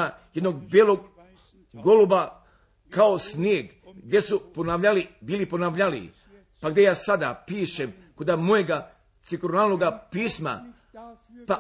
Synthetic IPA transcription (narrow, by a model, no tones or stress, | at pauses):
ajed̪noɡ̚bjelˠoɡ | ɡo̞luba | kaosnjeɡ | ɡd̪je̞suponaʋʎalibiːliponaʋʎalḭ | paɡd̪e̞jaːsad̪a̰piːʃem | kod̪amojeɡa | t̪sikɾonalnoɡapiːsma̰ | pa